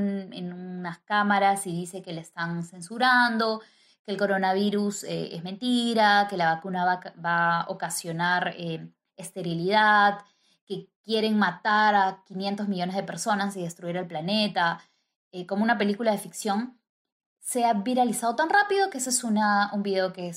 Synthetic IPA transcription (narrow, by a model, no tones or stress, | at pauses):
nḛnunaskamaɾasiðise̞ke̞lest̪anse̞nsuɾand̪o̞ | keːlko̞ɾo̞naβ̞iɾusḛḛzme̞nt̪iɾake̞laβakunabao̰kasjo̞naɾe | est̪e̞ɾilið̞að | ke̞kje̞ɾe̞ŋmat̪aɾakinje̞nt̪o̞zmiʎo̞ne̞zð̞e̞pe̞ɾso̞nasiðe̞st̪ɾuiɾelplane̞t̪a | eko̞mounape̞likulað̞e̞fiksjo̞ŋ | seaβiɾalisað̞o̞t̪anrapiðo̞keesesunaumbiðe̞o̞kes